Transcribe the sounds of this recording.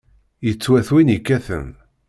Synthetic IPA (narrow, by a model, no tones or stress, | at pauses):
jət͡sːwæθwinikːæθə̰m